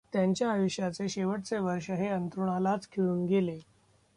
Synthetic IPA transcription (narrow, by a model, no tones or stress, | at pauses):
t̪jaɲt͡ɕjaːjuɕjat͡seɕeʋəʈ̚t͡seʋəɾʂəɦeənt̪ɾuɳalat͡skʰeɭuːnɡele